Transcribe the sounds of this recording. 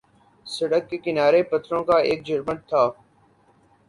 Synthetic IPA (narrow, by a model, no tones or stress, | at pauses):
səɽəkːeːkɪnaːɾeːpət̪ʰɾõːkaːeːk̚d͡ʒəɾməɳt̪ʰːaː